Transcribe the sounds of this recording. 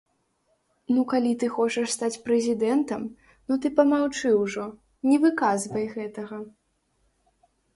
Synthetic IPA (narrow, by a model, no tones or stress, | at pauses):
nukalʲit̪ɨxɔt͡ʂɐʂst̪at͡sʲpɾɛzʲid̪ɛnt̪ɐm | nɔt̪ɨpɐmawt͡ʂɨwʐɔ | nʲɛvɨkazvɐjɣɛt̪ɐɣɐ